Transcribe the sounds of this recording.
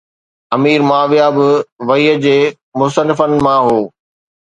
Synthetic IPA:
ɐmiːɾmaːʋjaːbɪʋɐiːəd͡ʑeː | mʊst̪ənɪfənɪ̆mãɦoː

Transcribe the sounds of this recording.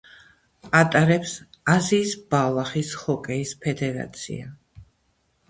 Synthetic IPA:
at̪ʼaɾɛpsaziːsbalˠaχishɔkʼɛispʰɛd̪ɛɾa̰t̪sʰḭa

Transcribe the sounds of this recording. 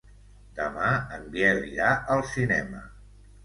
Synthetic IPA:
d̪̥əmaəmbijɛɾʎaʔəlˠsinɛmə̰

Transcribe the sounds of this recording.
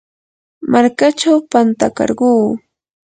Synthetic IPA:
maɾkat͡ʃawpant̪akɑ̰ɾɢuː

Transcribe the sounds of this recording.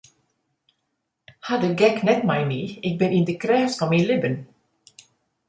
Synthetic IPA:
had̪əɡɛknɛt̪̚majmiːɪk̚bɪ̃nɪ̃nd̪ɪkʰɾɛːfsfɔminlɪbən

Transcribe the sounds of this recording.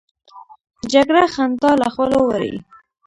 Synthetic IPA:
d͡ʒaɡɽaxant̪ɑlaxəlowaɾḭ

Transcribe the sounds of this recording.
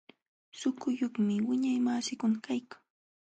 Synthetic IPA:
sʊkʊjoχmɪwɪɲajmaːsɪkʊnakajkḁŋ

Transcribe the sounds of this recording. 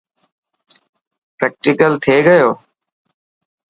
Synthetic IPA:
pɾɛːk̚ʈɪkəlt̪ʰeːɡəjoː

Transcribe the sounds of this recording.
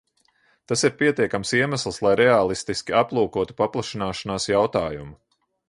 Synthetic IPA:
t̪asiɾpiɛt̪iɛkamsiɛmaslˠslˠajɾɛaːlˠist̪iskʲiaplˠuːkuɔt̪u̥paplˠaʃinaːʃanaːsjawt̪aːjumu

